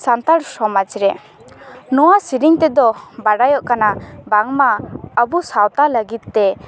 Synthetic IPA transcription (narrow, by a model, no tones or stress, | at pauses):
sant̪aɾsɔmat͡ʃiɾɛ | nɔwasiɾiŋt̪ɛd̪ɔbaɽajɔʔkanabaŋmaabusawt̪aləɡit̪̚ːɛ